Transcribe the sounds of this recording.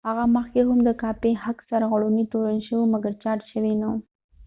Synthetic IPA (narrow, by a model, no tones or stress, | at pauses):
haɣaməxkeɦʊmd̪əkɑpehaksaɾɣaɽunit̪oɾanʃəwomaɡaɾt͡ʃɑʈʃəwina